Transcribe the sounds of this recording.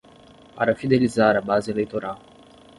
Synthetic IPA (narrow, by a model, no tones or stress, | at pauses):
a̰ɾafid̪ɛlizaːɾabazilajt̪ɔɾa